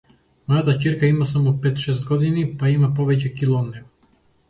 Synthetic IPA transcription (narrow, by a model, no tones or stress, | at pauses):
mɔjat̪afciɾkaimasamɔpɛt̪ʃɛst̪̚ɡɔd̪inipaimapɔvɛcɛkilˠɔnnɛ